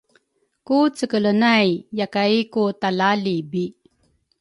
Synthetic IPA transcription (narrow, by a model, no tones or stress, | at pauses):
kut͡səkələnajjakaikutalalibi